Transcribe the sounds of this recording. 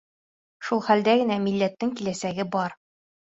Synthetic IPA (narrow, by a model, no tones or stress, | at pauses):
ʃulˠχæld̪æɡɘ̆næmilːæt̪ːɘŋkilæsæɡɘbɒɾ